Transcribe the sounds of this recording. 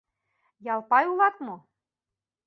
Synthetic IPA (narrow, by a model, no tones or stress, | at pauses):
jɑlˠpɑjulˠɑt̪mo